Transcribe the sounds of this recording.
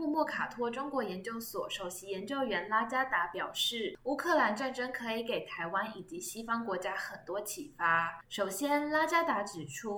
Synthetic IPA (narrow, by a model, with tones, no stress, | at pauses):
u˥˧mwɔ˥˩kʰa˨˩t̪ʰwɔ˥ʈ͡ʂʊ˥ŋkwɔ˧˥jɛ˧˥nt͡ɕjo˥˩ʊswɔ̰˨˩˦ʂo˨˩ʊɕi˧˥jɛ˧˥nt͡ɕjo˥˧ʊɥɛ˧˥nla˥t͡ɕja˥t̪a˧˥pjɑ˨˩ʊʂɻ̩˥˩u˥˩kʰɤ˥˩la˧˥nʈ͡ʂa˥˩nʈ͡ʂɤ˥ŋkʰɤ˧˥i˧˥ke˨˩ɪt̪ʰa˧˥ɪwa˥ni˨˩t͡ɕi˧˥ɕi˥fɑ˥ŋkwɔ˧˥t͡ɕja˥xə˨˩nt̪wɔ˥t͡ɕʰi˨˩fa˥ʂo˨˩ʊɕjɛ˥nla˥t͡ɕja˥t̪a˧˥ʈ͡ʂɻ̩˨˩ʈ͡ʂʰu˥